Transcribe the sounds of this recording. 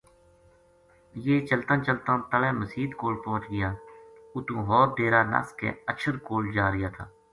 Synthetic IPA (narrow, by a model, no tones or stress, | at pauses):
jeːt͡ʃəlt̪ãːt͡ʃəlt̪ãːt̪əlẽːməsiːd̪koːlpɔ̃ːt͡ʃɡɪjaːʊt̪ũːɦɔːɾɖeːɾaːna̰ːskḛ̃ːəʃʰəɾkoːld͡ʒaːɾɪjaːt̪ʰa̰ː